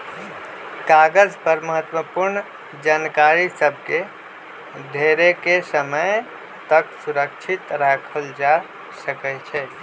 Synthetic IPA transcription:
kaɡəd͡ʒpəɾməɦət̪wəpuɾn | d͡ʒankaɾisəb̚ʱke | d̪ʱeɾekesəməj | t̪əksuɾək̚t͡ʃʰit̪ɾakʰəld͡ʒa | səkɛt͡ʃʰɛ

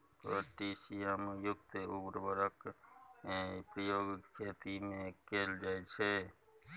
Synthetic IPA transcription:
t̪ɔʈisiemjukt̪eubəɾbəɾək | pɾəjoɡkʰet̪imekeld͡ʒajt͡ʃʰɛ

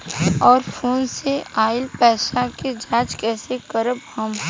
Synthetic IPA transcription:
ɔːɾfʰoːnseaːɪlpɛːʃaked͡ʒaːd͡ʒkɛːsekəɾəb̚ɦəm

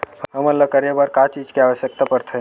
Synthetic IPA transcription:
ɦəmənlakəɾebaɾkat͡ʃid͡ʒkiaʋəʃjək̚t̪apəɾt̪ʰə

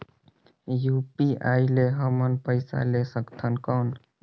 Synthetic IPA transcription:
jupiaileɦəmənpəɪsa̰lesəkt̪ʰənkɔn

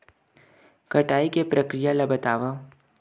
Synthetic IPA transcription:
kɐʈaːikepɾɐkɾijalɐbət̪aːʋã

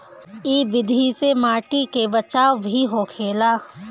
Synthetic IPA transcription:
iːʋɪd̪ʱisemaːʈikebɐt͡ʃaːʋbʱiɦokʰeːlaː

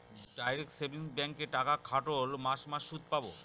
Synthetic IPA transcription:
ɖajɾek̚ʈsebinsbɛŋkeʈakakʰaʈolmaʃmaʃːud̪̚ʱpabo

